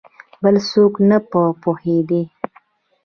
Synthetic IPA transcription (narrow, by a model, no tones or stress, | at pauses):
bəlsoknapəpohed̪i